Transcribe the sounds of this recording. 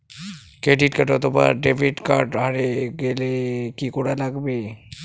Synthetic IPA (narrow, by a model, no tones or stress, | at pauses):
kɾeɖiʈkaɾʈɔt̪oba̰ɾɖebʱiɖkaɾɖɦaɽeɡelekikɔɾalaɡbe